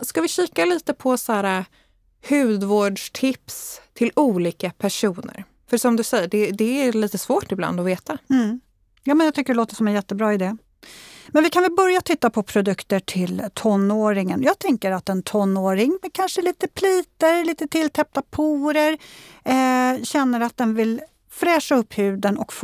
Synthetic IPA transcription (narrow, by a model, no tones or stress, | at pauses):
skavɪɕiːkaliːt̪əpʰɔsæːɾa | hʉ̟ːd̪voːɖʂʈʰɪpst̪ʰɪluːliːkapʰæʂuːnə̰ɾ | fœʂɔmd̪ɵsɛjəɖɛd̪ɛæɾliːt̪əsvoːʈɪbla̰nd̪ɔveːt̪amm̩ | jɑːmɛnjɑɡt̪ʰʏkːəɖɛloːt̪əʂɔmɛnjɛt̪ːəbɾɑːɪd̪eː | mɛnvɪkʰanvɛlbœɾjat̪ʰɪt̪ːapʰɔpʰɾʊd̪ɵkt̪əʈʰɪlt̪ʰɔnːoːɾɪŋənjɑːɡ̚t̪ʰɛŋkəɾat̪ɛnt̪ʰɔnːoːɾɪŋmɛkʰanʂəliːt̪əpʰliːt̪əɾliːt̪ət̪ʰɪlt̪ʰɛp̚t̪apʰuːɾəɾ | ɕɛnːəɾat̪̚d̪ɛnvɪl | fɾɛːʂaɵpːhʉ̟ːd̪ənɔkf